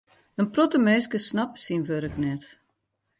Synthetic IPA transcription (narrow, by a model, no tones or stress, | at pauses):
d̥ənprɔtəmeːskəsnapsinʋøɾəknɛt